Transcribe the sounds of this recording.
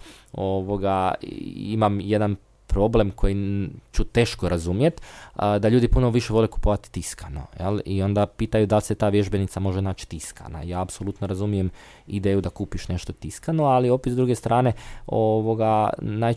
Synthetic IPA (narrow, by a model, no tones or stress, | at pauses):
o̞ʋo̞ɡa̰ | imamje̞d̪an | pɾo̞ble̞mkʰo̞jit͡ʃut̪e̞ːʃkoɾazumje̞t̪d̪aʎuːd̪ipuno̞ʋiʃeʋo̞leku̥poʋat̪i̥t̪iskano̰jḛlio̞nd̪apiːt̪ajud̪alset̪aːʋje̞ʒbe̞nit̪samo̞ʒenaːt͡ʃi̥t̪iska̰na̰jaːapsolut̪noɾazumijem | id̪eːjud̪akuːpiʃne̞ʃt̪o̞t̪iskanoalio̞pet̪zd̪ɾuːɡe̞st̪ɾaːne̞oʋo̞ɡanaːj